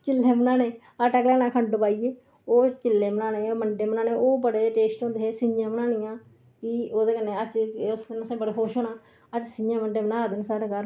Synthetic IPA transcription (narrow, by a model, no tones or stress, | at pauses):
t͡ʃɪlːeːmənãːnẽː | əʈəklɛːnãːkʰəɳɖopaːiːeː | oːt͡ʃɪlːeːmənaːnẽːoːməɳɖeːmnãːnẽːʔoːbəɽeːʈeːsʈɦõnd̪eːɦeːsɪjãːmənaːnɪjãː | kioːd̪eːkənːeːət͡ʃːʊskənəsãːbəɽeːɦoːʃɦoːnãː | əd͡ʒsɪjãːməɳɖeːmənaːd̪ɪnsaːɾeːkəɾ